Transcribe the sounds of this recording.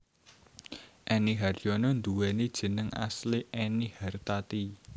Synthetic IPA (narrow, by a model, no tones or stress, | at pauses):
ʔɛniɦarjɔnɔnd̪uwɛnid̥ʒ̥ə̤nəŋʔa̰sliʔɛnihart̪at̪i